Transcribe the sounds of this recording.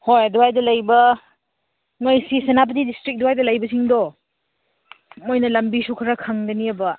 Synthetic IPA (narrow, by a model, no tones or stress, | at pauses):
hojɐduajdɐlɐjbɐ | ŋojsisɐnap̬tidistɾik̚duwajdɐlɐjbɐsiŋdɔ | mojnɐlɐmbisukʰɐɾakʰaŋdɐniɐbɐ